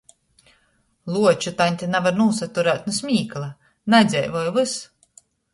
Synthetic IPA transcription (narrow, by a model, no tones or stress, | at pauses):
lˠuɔt͡ʃut̪anʲt̪ʲinɛvaɾnuːsat̪uɾæːt̪̚nusmʲiːklˠa | nɛd̪zʲɛ̰jvɔjuvɨs